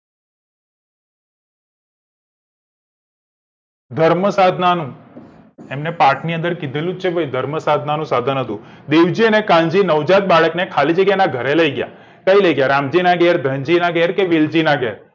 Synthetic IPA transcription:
d̪ʱəɾməsad̪ʱnanũ | emnepaʈʰniə̃nd̪əɾkid̪ʱelũt͡ʃʰebʱəid̪ʱəɾməsad̪ʱnanũsad̪ʱənɦət̪ũd̪eʋd͡ʒiənekãɲd͡ʒinəʋd͡ʒat̪̚baɭəknekʰalid͡ʒəɡjanaɡʱəɾeləiɡja̰ | kəiləiɡjaɾamd͡ʒinaɡɛɾd̪ʱəɲd͡ʒinaɡɛɾkeʋild͡ʒinaɡeɾ

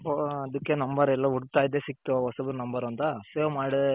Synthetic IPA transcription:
poɐd̪ɯkːenɐmbɐɾɛlːaːuɽt̪aːjid̪eːsik̚t̪ːuʋɐsɐbɐɾnɐmbɐɾʋɐnt̪ɐseːmaːɽɯ

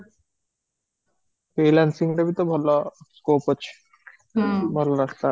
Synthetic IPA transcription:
felansiŋʈabit̪obʱɔloskopot͡ɕʰ | bʱɔlɔɾast̪a

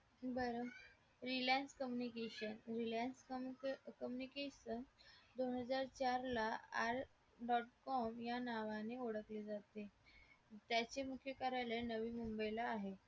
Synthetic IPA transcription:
bəɾo | ɾilanskəmjunikeɕənɾilans | kəmjunikeɕənd̪onɦəd͡zaɾt͡ɕaɾlaaɾ | ɖɔʈkɔmjanaʋaneoɽəkled͡zat̪e | t̪jat͡ɕemukʰjəkaɾalenəʋiːmumbəjlaːɦe

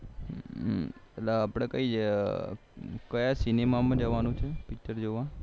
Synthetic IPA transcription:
et̪laːpɽ̃ẽkəi | kəjasinemamãd͡ʒəʋanũt͡ʃʰepik̚t͡ʃəɾd͡ʒoʋã

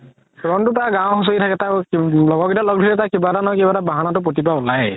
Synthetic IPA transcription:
ɔɹɔntʊtaɡãw̃xus̬oitʰakɛtaklɔɡɔkitalɔɡ̚dʱilɛtakibatanãkibatabaɦanatʊp̬otipaʊlaj

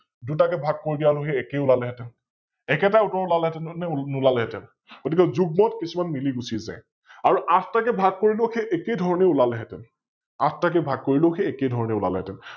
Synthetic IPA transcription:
dut̬akɛbʱaɡ̚koɹidijaloxeɛkeulalɛɦɛtɛn | ɛkɛt̬autɔɹulalɛɦɛtɛnnɛnulalɛɦɛtɛn | ɡ̥otikɛzuɡ̚mɔtkisumanmiliɡusiza̰j | aɹuʔatʰtakɛbʱaɡ̚koɹiloxeʔɛkejdʱɔɹɔneulalɛɦɛtɛ̰n | atʰtak̬ɛbʱaɡ̚koɹilõxeɛkedʱɔɹɔneʊla̰lɛɦɛ̰tɛn

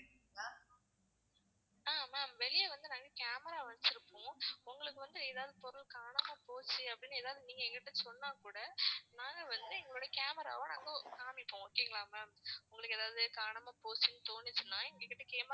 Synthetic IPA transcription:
aː | aːmaːmʋɛɭɪjɐʋɐnd̪ɯnaːŋɡɐkaːmɐɾaːʋɐnt͡ʃɪɾɯpːõːʊŋɡɐɭɯkːɯʋɐnd̪ɯeːðaːʋðɯpɔɾɯɭkaːɳɐmaːpoːt͡ʃːɯɐpːɐɽɪnːaeːðaːʋðɯniːŋɡɐɛŋɡɪʈːɯsɔnːaːkuːɽɐnaːŋɡɐʋɐnd̪ɯɛŋɡɐɭoːɽɐkaːmɐɾa̰ːʋɐ̃naːŋɡokaːmɪpːõːoːkːeːŋɡɐɭãːmaːmʊŋɡɐɭɯkːɯeːðaːʋðɯkaːɳɐmaːpoːt͡ʃːɯnːɯt̪oːnɪt͡ʃːɯnːãːɛŋɡɐkːɪʈːɯkeːm

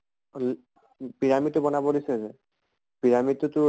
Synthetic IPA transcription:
l | piɹamitʊbɔnabɔdisɛzɛ | pbiɹamitʊtʊ

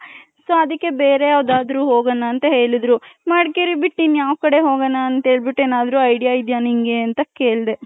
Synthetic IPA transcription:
soːɐd̪ikːe̞beːɾe̞ɐʋd̪aːd̪ɾuːɦoːɡɐnːaːnt̪ɐɦe̞ːɭid̪ɾumaːɖkeɾibiʈːinjaːʋkɐɽeɦo̞ːɡɐnːaːnt̪ɐe̞ːɭbiʈːe̞ːnaːd̪ɾuɐjɖijaid̪janiŋɡe̞ɐnt̪ɐke̞ːɭd̪e̞

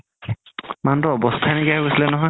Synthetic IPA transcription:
mantʊɔbɔstʰanikiaɦobɔsilɛnɔɦɔj

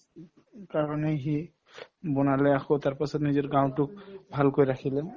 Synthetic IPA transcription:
kaɹɔneɦi | bɔnalɛaxot̪aɹpasɔt̪nizɔɹɡãw̃tʊk̚bʱalkojɹakʰilɛ

